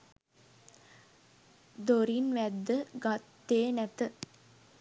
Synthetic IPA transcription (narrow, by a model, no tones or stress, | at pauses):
d̪oɾinʋæd̪ːəɡat̪ːeːnæt̪ə